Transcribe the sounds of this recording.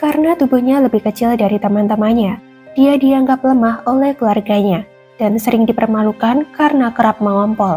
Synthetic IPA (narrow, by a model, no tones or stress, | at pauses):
kaɾənat̪ubuhɲaləbɪhkət͡ʃɪldaɾit̪əmant̪əmaɲa | d̥iadiaŋɡap̚ləmaholɛhkəluarɡaɲa | d̥ansəɾɪŋdipərmalukankarənakəɾap̚məŋɔmpɔl